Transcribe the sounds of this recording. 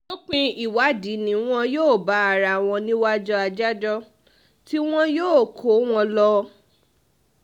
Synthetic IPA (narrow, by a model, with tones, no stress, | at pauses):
nõ˦k͡pĩ˧i˨wa˨˦di˨˦nĩ˨˦w̃ɔ̃˧joː˦˨ba˨˦a˨ɾa˧˨w̃ɔ̃˧nĩ˦wa˦d͡ʒɔ˧a˧d͡ʒa˦d͡ʒɔ˦ | ti˦w̃ɔ̃˦joː˦˨kʰo˨˦w̃ɔ̃˧lɔ˧